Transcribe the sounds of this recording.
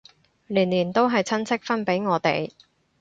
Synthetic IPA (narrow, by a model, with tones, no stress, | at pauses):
liː˨˩nliː˨˩nt̪o˥wɦɐ˨jt͡sʰɐ˥nt͡sʰɪ˥k̚fɐ˥npe˨˥jŋɔː˨˧t̪ḛ˨j